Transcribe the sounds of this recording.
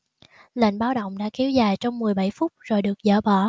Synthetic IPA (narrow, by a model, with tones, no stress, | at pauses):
lḛ˧˩nɓaː˨˧wɗə̰˧˨wŋ͡mɗa̰ː˧˥ki˨˦wzaː˨˩jt͡ɕɔ˧wŋ͡mmɨ˨˩əjɓa˧˩jfʊ˦˥k͡p̚zo˨˩jɗɨ˨˩ək̚zə̰ː˧˩ɓɔ˧˩